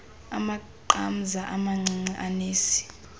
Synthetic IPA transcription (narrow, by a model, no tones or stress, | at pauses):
ama | ǃam̩zaʔamaŋ͡ǀiŋ͡ǀiʔaneːsi̥